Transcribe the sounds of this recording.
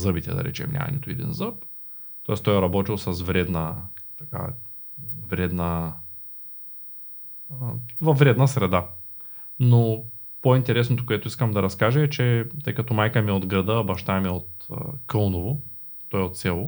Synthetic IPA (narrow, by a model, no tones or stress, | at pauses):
zɤbit̪ɛ̰d̪ɐ̰ɾɛ̰t͡ʃɛ̰mnʲʔa̰mɐ̰nḭt̪ʊid̪ḭnzɤp̚ | t̪ɔɛst̪ɔjɾɐbɔt̪ilˠsɐsvɾɛd̪nət̪ɐka̰ | vɾɛd̪nə | vɐvːɾɛd̪nəsɾɛd̪a | no | point̪ɛɾɛsnot̪o̥koɛt̪ʊiskəmd̪ɐɾɐskaʒəɛt͡ʃɛt̪ɤjkɐt̪ɔmajkəmiod̪ɡɾɐd̪əbɐʃt̪aɛmiot̪kɤlˠnovo | t̪ɔjot̪sʲɛlˠo